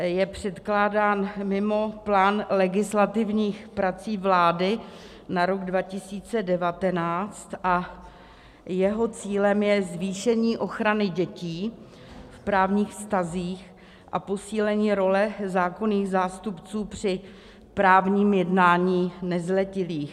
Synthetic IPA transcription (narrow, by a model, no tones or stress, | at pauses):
jɛpr̝̥ɛt̪klaːdaːnmɪmo̞plaːnlɛɡɪslat̪ɪvɲiːxpɾat͡siːvlaːdɪ | naɾo̞ɡdvacɪsiːt͡sɛdɛvat̪ɛnaːt͡st̪ʔa | jɛɦo̞t͡siːlɛmjɛzviːʃɛɲiːʔo̞xɾanɪɟɛciː | fpɾaːvɲiːxfst̪aziːx | ʔapo̞siːlɛɲiːɾo̞lɛzaːko̞niːɣzaːst̪upt͡suːpr̝̥ɪ | pɾaːvɲiːmjɛdnaːɲiːnɛzlɛcɪliːx